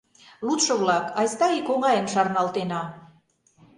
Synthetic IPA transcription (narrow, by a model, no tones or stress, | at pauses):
lut̪ʃɤ̆βlɑkɑjst̪ɑikoɣɑjə̆nʃɑrnɑlt̪enɑ